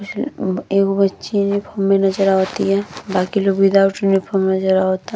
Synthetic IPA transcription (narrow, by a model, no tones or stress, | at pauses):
kʊt͡ʃʰeːkobətːʃinipʰomːẽnɐd͡ʒəɾaɦot̪iɦɛːbaːkiloɡbid̪auʈunipʰomenɐd͡ʒəɾaɦoːt̪a